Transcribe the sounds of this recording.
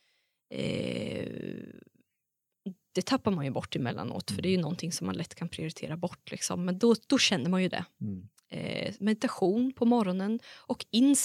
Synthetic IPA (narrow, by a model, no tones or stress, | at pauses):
d̪̥ɛt̪ʰapːaɾmanjɵbɔʈːɪmɛlːa̰no̰ːt̪fœɖɛæɾjɵnɔnt̪ʰɪŋsɔmːa̰nlɛt̪ːkʰanpʰɾɪʊɾɪt̪ʰḛːɾabɔʈːlɪ̰ksɔ̰mːɛnd̪ɔd̪̥ɔɕɛnːəɾmanjɵd̪ɛ̰ | mɛd̪ɪt̪aɧuːnpʰɔmɔɾɔnənʔɔkɪnːs